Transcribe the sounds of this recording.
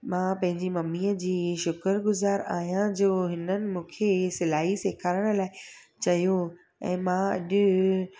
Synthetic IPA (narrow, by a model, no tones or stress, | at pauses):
mãːpɐ̃ɦɪ̃ɲd͡ʑimɐmiːəd͡ʑiːʃʊkəɾɡʊzaːɾaːɦijãd͡ʑoːɦɪnənɪ̆mũːkʰesɪlaːɦiseːkʰaːɾəɽ̃laːɪ | t͡ɕɐjo | ɛ̰̃ːmãɐ̰ʄʊ̆